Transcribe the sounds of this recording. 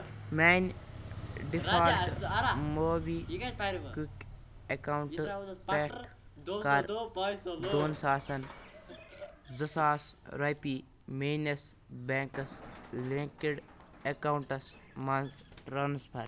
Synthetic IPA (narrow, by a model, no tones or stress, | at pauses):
maːn | ɖifaːl | moːbiːkuk | ekawuɳʈpeʈ | kɐɾ | d̪oːnsaːsɐn | zɐsaːsɾɐjpiː | meːnɐs | beːŋkɐsleŋkiɖ | ekawɳʈɐs | mɐnsɾɐnspʰɐɾ